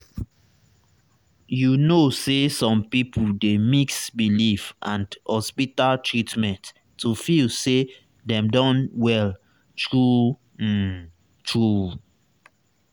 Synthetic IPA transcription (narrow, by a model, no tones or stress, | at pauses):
junosesɔ̃mpipʰudemiksbilifʔãndhɔspitaltʰɹitmɛ̃ntː | ufilse | dɛ̃mdɔ̃nwɛl | tɹu | tɹu